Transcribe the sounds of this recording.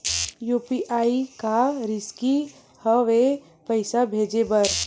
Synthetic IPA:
juːpiʔaːikaɾɪski | həʋe | pəɪsabʱeːd͡ʒebəɾ

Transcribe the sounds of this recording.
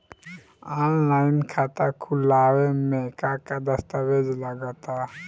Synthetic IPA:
anlajnkʰat̪akʰulawemekakad̪əst̪awed͡ʒlaɡat̪a

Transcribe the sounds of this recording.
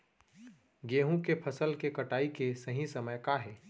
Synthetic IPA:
ɡeːɦũkepʰəsəlkekɐʈaːikesɐɦĩsəməjkaɦɛː

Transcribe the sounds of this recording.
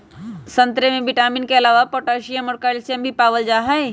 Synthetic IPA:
sɐ̃nt̪ɾemẽbɪʈaːminkeɐlaːʋapoʈaːʃijəmɔːɾkalsjəmbʱipaːʋəld͡ʒaːɦɐj

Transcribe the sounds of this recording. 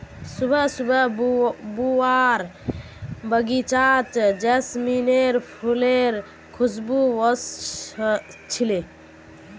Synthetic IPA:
subʱəsubʱəbuaɾ | bəɡit͡ʃat͡ʃd͡ʒesmineɾpʰuleɾ | kʰusbuwəs | t͡ʃʰile

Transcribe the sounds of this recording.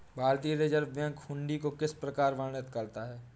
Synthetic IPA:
bʱaːɾt̪iːɾeːd͡ʒəɾʋjə̃ŋkhʊ̃ɳɖikokɪspɾəkaːɾʋaːnət̪kɐɾt̪aɦɛː

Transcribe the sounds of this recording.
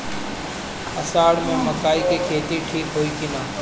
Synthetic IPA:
əsaːɽmẽːməkaːiːkeːkʰeːt̪iʈʰiːkɦoːiːkʰinãː

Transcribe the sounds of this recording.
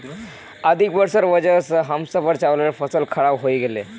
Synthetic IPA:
əd̪ʱikʋəɾsəɾʋəd͡ʑəsɦəmsəpəɾt͡ɕaʋləɾfəsəlkʰəɭaʋɦoiɡele

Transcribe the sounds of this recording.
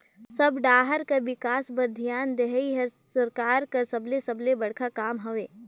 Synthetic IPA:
sɐbɖaːɦəɾkaʋɪkaːsbɐd̪ʱijaːnd̪eɦiɦɛsɐɾkaːɾkɐɾsɐblesɐblebɐɽ̤kʰakaːmɦɐʋeː

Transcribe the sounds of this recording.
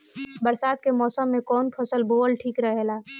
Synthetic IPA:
bəɾsaːd̪̚kemɔːsəmːẽkɔːnpʰəsəlboːlʈʰiːkɾəɦelaː

